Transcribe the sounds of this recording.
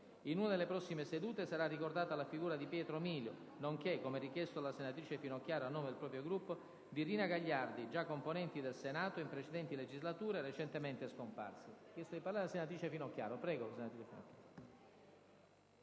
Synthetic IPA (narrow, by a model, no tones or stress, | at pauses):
inunad̪elepɾɔsːimesed̪uːt̪esaɾarːikord̪aːt̪alafiɡuːɾad̪ipjɛːt̪ɾomiːljo̰ | noŋkekːomerik̟jɛst̪oalasenat̪ɾiːt͡ʃefinokːjaːɾoanːoːmed̪elpɾɔːpɾjoɡɾupːo | d̪iɾiːnaɡaʎːard̪id͡ʒakːomponɛnt̪id̪elsenaːt̪oimpɾet͡ʃed̪ɛnt̪iled͡ʒizlat̪uːɾeɾet͡ʃent̪ement̪eskompa̰rsekest̪ajpaɾlaɾeasenat̪ɾiːt͡ʃefinokːja̰ːɾopɾɛːɡolasenat̪ɾit͡ʃefḭno̰kːjaɾo